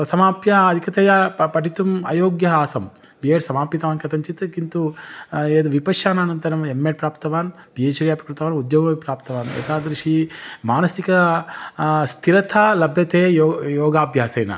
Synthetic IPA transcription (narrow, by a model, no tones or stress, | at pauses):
sɐmaːpjaɐd̪ʱikɐt̪ɐjapɐʈit̪umɐ̰joːɡjɐɦaːsɐmbieːʈsɐmaːpjit̪ɐʋaːnkɐt̪ɐɲt͡ʃit̪kint̪u | ed̪ʋipɐʃaːnaːnɐnt̪ɐɾɐmemːeːʈ̚pɾaːpt̪ɐʋaːnbieːt͡ʃɐɾjaːpɾɐkɾut̪ɐʋaːnud̪joːɡɐpɾaːpt̪ɐʋaːnḛːt̪aːd̪ɾiʂimaːnɐsikɐ | st̪ʰiɾɐt̪ʰalɐbʱjɐt̪ʰeːjojoːɡaːbʱjaːsɐjnɐ̰